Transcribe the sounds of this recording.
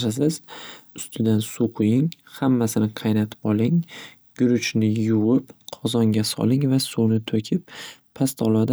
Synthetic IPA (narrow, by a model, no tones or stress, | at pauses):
ʃas̬ɪz̥ʊst̪ʰɪd̪ansuqʰʊjɪŋhamːasɪnɪqʰɑjnat̪ʰɪ̥pɒlˠɪŋ | ɡ̥ʊɾʊt͡ʃnɪjʊwɪpqʰɒzɒŋɡʲasɒ̰lˠɪŋvasunɪt̪ʰokʲʰɪp̚ʰː | ast̪ʰɒlˠad̪a